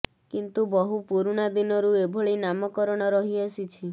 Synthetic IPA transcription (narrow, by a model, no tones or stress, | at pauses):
kint̪ubɔɦupuɾuɽ̃ad̪inɔɾuebʱɔɭinamɔkɔɾɔɽ̃ɔɾɔɦiasit͡ʃʰi